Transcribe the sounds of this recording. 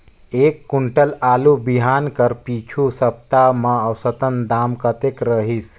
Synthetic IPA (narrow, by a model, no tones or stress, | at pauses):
eːkːuɳʈəlaːlubiɦaːnkəɾpiːt͡ʃʰusɐp̚t̪amɐɐwsət̪ənd̪aːmkət̪ekɾəɦis